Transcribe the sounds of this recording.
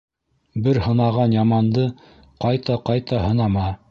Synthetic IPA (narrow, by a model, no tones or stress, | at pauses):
bɘɾhɤ̆nɑʁɑnjɑmɑnd̪ɤ | qɑjt̪ɑqɑjt̪ɑɦɤ̆nɑmɑ